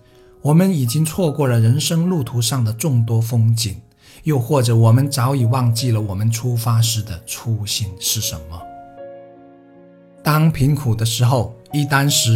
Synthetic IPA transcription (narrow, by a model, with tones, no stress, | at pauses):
wɔ˨˩mə˧˦ni˨˩t͡ɕi˥ŋt͡sʰwɔ˥˧kwɔ˥˩lə˩ɻə˧˥nʂɤ˥ŋlu˥˩t̪ʰu˧˥ʂɑ˥˩ŋd̪ə˩ʈ͡ʂʊ˥˩ŋt̪wɔ˥fɤ˥ŋt͡ɕi˨˩n | jo˥˧ʊxwɔ˥˩ʈ͡ʂɤ˨˩˦wɔ˨˩mə˧˦nt͡sɑ˧˥ʊi˨˩wɑ˥˧ŋt͡ɕi˥˩lə˩wɔ˨˩mə˦nʈ͡ʂʰu˥fa˥ʂɻ̩˧˥˩d̪ə˨ʈ͡ʂʰu˥ɕi˥˩nʂɻ̩˥˩ʂə̰˧˥nmə˧ | t̪ɑ˥ŋpʰi˧˥nkʰu˨˩d̪ə˦ʂɻ̩˧˥xo˥˧˩ʊi˥˩t̪a˥nʂɻ̩˧˥